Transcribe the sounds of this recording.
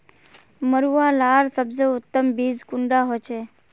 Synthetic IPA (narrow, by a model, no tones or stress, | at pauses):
məɾuʋalaɾsəbzəʊt̪ːəmbiːd͡zkʊɳɖaɦot͡ʃʰe